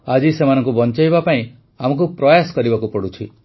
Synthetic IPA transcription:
ad͡ʒisemanɔ̃ŋkubɔnt͡ʃajbapaĩ | amɔk̬upɾɔjasɔ̥kɔɾibakupɔɽut͡ʃʰi

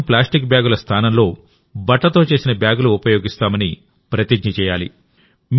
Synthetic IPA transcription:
plaːsʈik̚bjaːɡulɐst̪ʰaːnɐmlo̞ː | bɐʈːɐt̪o̞ːt͡ʃe̞ːsinɐbjaːɡuluːpɐjo̞ːɡist̪aːmɐni | pɾɐt̪iɡɲɐt͡ʃɛːjaːlḭ | m

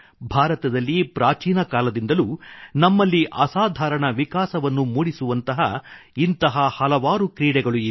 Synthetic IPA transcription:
bʱaːɾɐt̪ɐd̪ɐlːipɾaːt͡ʃiːnɐkaːlɐd̪ind̪ɐlunɐmːɐlːiʔɐsaːd̪ʱaːɾɐɳɐʋikaːsɐʋɐnːumuːɽisuʋɐnt̪ɐɦɐ̰int̪ɐɦɐhɐlɐʋaːɾukɾiːɽɛɡɐɭui

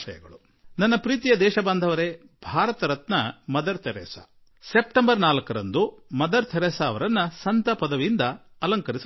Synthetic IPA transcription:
ʃɐjɐ̰ɡɐɭu | nɐnːɐpɾiːt̪ijɐd̪ɛːʃɐband̪ʱɐʋɐɾe | bʱaːɾɐt̪ɐɾɐt̪nɐmɐd̪ɐɾt̪ʰeɾɛ̰ːsa̰ | sep̚ʈembɐɾnaːlɐkɐɾɐnd̪umɐd̪ɐɾt̪ʰeɾɛːsaːʋɐɾɐnːɐsɐnt̪ɐpɐd̪ɐʋiind̪ɐ | ɐlɐŋkɐɾis

